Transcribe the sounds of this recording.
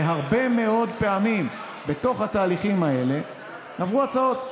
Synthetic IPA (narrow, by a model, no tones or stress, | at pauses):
eɦaʁbe̞me̞o̞d̪pe̞amim | be̞t̪o̞χhat̪aːliχimae̞le̞ | navʁuat͡sao̞t̪̚